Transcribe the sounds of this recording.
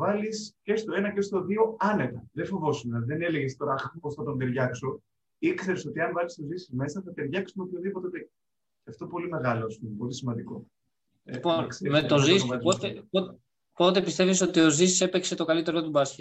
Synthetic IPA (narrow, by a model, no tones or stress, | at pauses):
vɐlisce̞st̪o̞e̞nɐcest̪o̞ðio̞ɐne̞t̪ɐðefo̞vo̞sumɐðeneleɣest̪o̞ɾɐposθɐt̪o̞nd̪eɾʝɐkso̞ | ikse̞ɾeso̞t̪iɐɱvɐlist̪ozisizme̞sɐθɐt̪eɾʝɐksumeopçoðipot̪eot̪e | ɐft̪opo̞lime̞ɣɐlo̞ɐspumepo̞lisimɐnd̪iko̞̰ | iponsemet̪o̞zispot̪epo | po̞t̪e̞pist̪e̞viso̞t̪io̞zisi̥se̞pekse̞t̪o̞kɐlit̪e̞ɾot̪ubɐsçi